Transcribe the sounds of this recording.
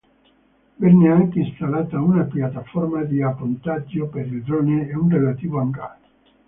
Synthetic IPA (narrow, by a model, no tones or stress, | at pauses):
vɛnːeaŋkeist̪alaːt̪aunapjat̪ːafɔrmad̪iapont̪ad͡ʒːopeɾild̪ɾɔːneːunrelat̪iːvoaŋka̰ːt̪o̥